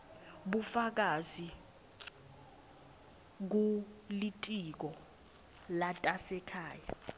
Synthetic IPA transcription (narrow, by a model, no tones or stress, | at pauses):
ɓufak̬azi | k̬ulitʼik̬ɔ | latʼasɛkʰaːja